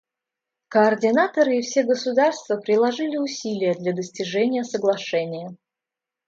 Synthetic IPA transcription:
kəːrdʲɪnat̪əɾɨɪfsʲeɡəsʊd̪arst̪vəpɾʲɪlˠɐʐɨlʲɪʊsʲilʲɪjəd̪lʲad̪əsʲtʲɪʐɛnʲɪjəsəɡlˠɐʂɛnʲɪjə

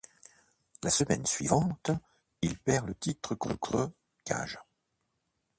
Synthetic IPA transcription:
lasəmɛnsɥḭvɑ̃t̪ | ilpɛʁlət̪it̪χəkχøkχø | kʲʰa̰ʒ

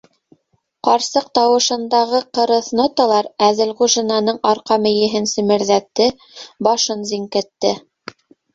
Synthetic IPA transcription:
qɑɾsɤqt̪ɑwɤ̆ʃɤ̆nd̪ɑʁɤqɤ̆ɾɤ̆θnot̪ɑlˠɑɾæðɘlʁuʒinɑnɤɴɑɾqɑmɘ̆jɘ̆ɦɘnsɵ̆mɘ̆ɾðæt̪ːɘ | bɑʃɤnziŋkɘ̆t̪ːɘ

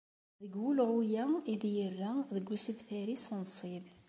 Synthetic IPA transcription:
ðəɡwulʕʊjæiðjərːæðəɡːusəbθæɾisnsˤib

